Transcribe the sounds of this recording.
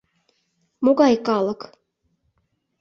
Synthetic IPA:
moɡɑjkɑlˠɤ̆k

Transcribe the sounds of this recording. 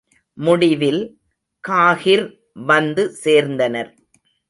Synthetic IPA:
mʊɽɪʋɪl | kaːɣɪɾ | ʋɐnd̪ɯseːɾnd̪ɐnɐɾ

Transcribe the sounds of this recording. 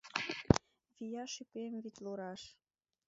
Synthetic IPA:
βijɑʃypemβit̪luɾɑʃ

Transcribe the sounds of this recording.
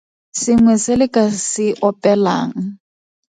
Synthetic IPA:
sɪŋwɛsɪlɪkʼasɪʔɔpʼɛla̰ːŋ̩

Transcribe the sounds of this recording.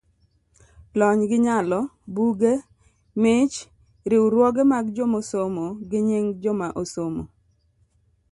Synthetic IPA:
lɔɲɡɪɲalɔbuɡe | mɪt͡ʃ | ɾɪwɾwɔɡemaɡd͡ʒomosomoɡɪɲiŋd͡ʒomaʔosomo̰

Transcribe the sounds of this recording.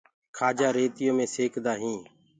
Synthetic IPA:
kʰaːd͡ʒaːɾeːt̪ɪjõːmẽːseːkʰd̪aːɦĩː

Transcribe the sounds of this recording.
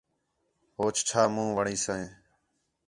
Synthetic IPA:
ɦoːt͡ʃt͡ʃʰaːmũːʋəɳiːsəẽː

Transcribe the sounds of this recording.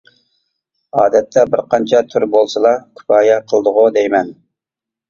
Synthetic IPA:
ɑːd̪ɛt̪ʰːɛbɪɾqʰɑnt͡ʃʰɑt̪ʰyɾbolˠsɨlˠɑkʲʰy̥pɑːjɛqʰəlˠd̪əʁʊd̪ejmɛn

